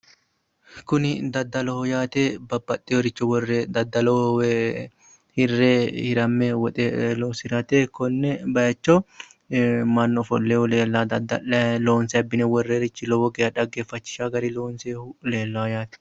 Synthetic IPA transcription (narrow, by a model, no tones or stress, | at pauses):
kʊnɪd̪ɐd̪ːɐlɔhɔjaːt̪ebɐbːɐt̪ʼːɛɔɾɪt͡ʃːɔwɔrːed̪ɐd̪ːɐlɔwɛ | hɪrːehɪɾɐmːɛwɔt̪ʼɛlɔsɪɾɐt̪ekɔnːɛbɐjɐt͡ʃːɔ | mɐnːɔfɔ̰lːeːhʊleːlːad̪ɐd̪loːnsɛɐbːɪnɛwɔrːeːɾɪt͡ʃːɪlɔwɔɡɛjɐᶑɐɡeːfɐt͡ʃːɪ̥ʃaɡɐɾɪloːnseːhʊleːlːɐjaːt̪ɛ̥